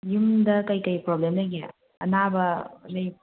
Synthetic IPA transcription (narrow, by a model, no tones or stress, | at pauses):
jumdɐkɐjkɐjpɾoblemdɐɡe | ɐ̰nabɐlɐj